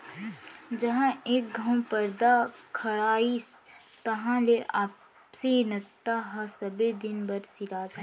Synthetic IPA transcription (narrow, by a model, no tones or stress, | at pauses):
d͡ʒɐɦãeːk̚ɡʱɐ̃w̃pəɾd̪akʰɐɽaːis | t̪ɐɦãleaːp | senɐt̪ːaɦasɐbed̪ɪnbɐɾsiɾaːd͡ʒɛ